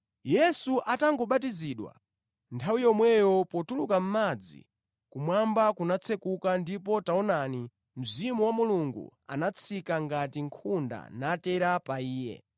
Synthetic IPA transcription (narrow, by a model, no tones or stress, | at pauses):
jɛsuʔataŋɡɔɓat̬iziɗwa̰ | ntʰawijɔmwɛjɔpɔtulukam̩mad͡zḭ | kumwambakunat͡sʰɛkukandip̬ɔtaɔnani | m̩zimuwamuluŋɡṵa̰nat͡sʰikaŋɡatiŋkʰunda̰natɛɾapaiːjɛ̰